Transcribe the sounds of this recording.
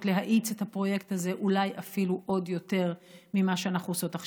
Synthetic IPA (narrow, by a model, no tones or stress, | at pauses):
tle̞ɦaʔit͡set̪hapʁo̞je̞kt̪aze̞ʔulajʔafiluʔo̞djo̞te̞ʁmimaʃeanaχuoso̞taχ